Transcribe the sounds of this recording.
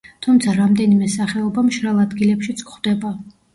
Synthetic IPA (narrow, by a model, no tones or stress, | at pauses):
t̪ʰumt̪sʰaɾamd̪ɛnimɛsaχɛɔbamʃɾalˠad̪ɡilɛpʃit̪sʼkχwd̪ɛba